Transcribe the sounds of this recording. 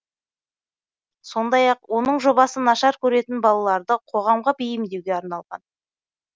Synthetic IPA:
so̞nd̪ɑjɑqwʔo̞nəɴʒo̞bɑsənɑʃɑɾkʲʰɵɾe̞t̪ɪnbɑlˠɑlˠɑɾd̪əqʰo̞ʁɑmʁɑbejɪmd̪e̞wɡʲeɑɾnɑlˠʁɑ̰n

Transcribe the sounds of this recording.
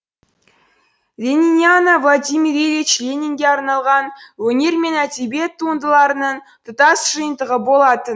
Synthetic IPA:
vʲe̞nʲinʲianavlˠad̪ʲimʲiɾevʲit͡ʃlʲenʲiŋɡʲe̞ɑɾnɑlˠʁɑnwɵne̞ɾme̞næd̪ebe̞t̪ʰːuənd̪əlˠɑɾənəɴ | t̪ʰʊt̪ɑsʒ̥əjənd̪əʁəbo̞lˠɑt̪ən

